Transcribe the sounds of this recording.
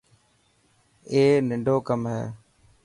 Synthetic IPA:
eːnɪɳɖʱoːkəmɦɛ̰ː

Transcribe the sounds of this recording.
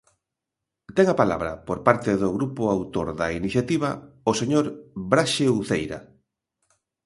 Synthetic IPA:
t̪ɛŋapala̰βɾɐpoɾpaɾt̪eðʊɣɾupʊawt̪oɾðɐiniθjat̪iβɐoseɲoɾbɾaʃeuθejɾɐ̰

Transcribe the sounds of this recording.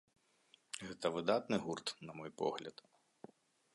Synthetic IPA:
ɣɛt̪ɐvɨd̪at̪nɨɣurt̪nɐmɔjpɔ̰ɣlʲɐ̰t̪

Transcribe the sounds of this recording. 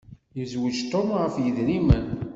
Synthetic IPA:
jəzwəd͡ʒt̪ˤomʁəfjəðnimən

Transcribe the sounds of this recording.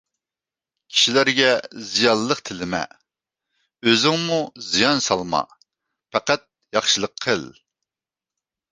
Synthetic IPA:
kʲʰi̥ʃilæɾɡʲɛzijɑnlːˠəχt̪ʰɪlɪmɛ̰ | øzɪŋmuzijɑnsɑlˠmɑ̰ | pʰɛqæt̪̚jɑχʃɨlˠəqʰːəlˠ

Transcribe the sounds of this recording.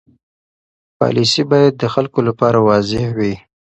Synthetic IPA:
pɑ̰lisibɑjad̪̚ːəxalkolapɑɾawɑzɪhwi

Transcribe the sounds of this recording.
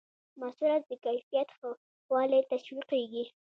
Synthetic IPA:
masuɾat̪̚d̪əkajfijat̪xə | wɑlet̪aʃwiqeɡi

